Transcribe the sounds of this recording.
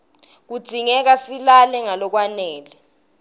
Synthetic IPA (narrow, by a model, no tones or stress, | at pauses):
k̬ud̥ʱiŋɛk̬asilalɛŋalɔk̬wanɛːlɛ